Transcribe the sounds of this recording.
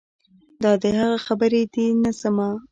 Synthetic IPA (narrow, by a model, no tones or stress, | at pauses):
d̪ɑd̪əhaɣaxabəɾed̪inasama